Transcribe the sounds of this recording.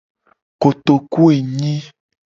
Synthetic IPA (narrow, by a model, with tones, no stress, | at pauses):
ko˨t̪o˨ku˦e˨ɲĩ˦